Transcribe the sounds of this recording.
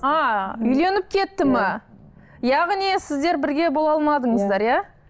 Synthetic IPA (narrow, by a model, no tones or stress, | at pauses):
ɑʏjle̞nɪp̚kʲʰe̞t̪ːɪmɑ | jɑʁnisɪzd̪e̞ɾbɪɾɡʲe̞bolˠɑlˠmɑd̪əɴəzd̪ɑɾja